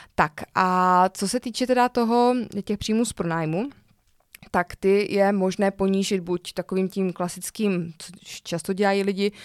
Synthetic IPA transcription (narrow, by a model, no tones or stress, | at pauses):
t̪akʔat͡so̞sɛt̪iːt͡ʃɛt̪ɛdat̪o̞ɦo̞cɛxpr̥iːmuːspɾonaːjmu | t̪akt̪ɪjɛmo̞ʒnɛːpoɲiːʒɪd̪̚buct̪akoviːmcimklasɪt͡skiːmt͡sot͡ʃast̪o̞ɟɛlajiːlɪɟɪ